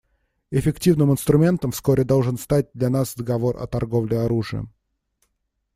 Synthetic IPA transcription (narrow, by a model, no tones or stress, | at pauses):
ɪfʲɪktʲivnɨmɨnst̪ɾʊmʲe̞nt̪əmfskoɾʲɪd̪olˠʐɨnst̪at̚ʲd̪lʲanasd̪əɡɐvo̞rʔɐ̰t̪ɐrɡo̞vlʲɪɐɾuʐɨə̰